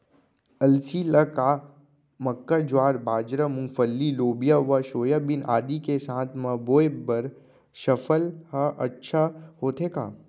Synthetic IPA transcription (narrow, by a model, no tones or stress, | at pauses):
ɐlsiːləka | mɐkːad͡ʒwaːɾbaːd͡ʒɾəmʊ̃ŋfəlːiloːbijaʋɐʃoːjabɪna̰ːd̪ikesãːt̪ʰmɐboːebɐɾ | ʃɐfəlhəɐtːʃʰahoːt̪ʰeka̰ː